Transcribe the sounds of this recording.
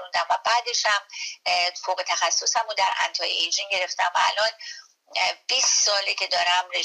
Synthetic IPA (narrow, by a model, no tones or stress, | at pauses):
und̪æmvæbæːd̪e̞ʃhæm | foːɣet̪ʰæxæsːosæmud̪æɾʔæ̰nt̪ʰɒːjejd͡ʒiŋɟe̞ɾe̞ft̪æmvæːlɒːn | biːssɒːlecʰe̞d̪ɒːɾæmɾe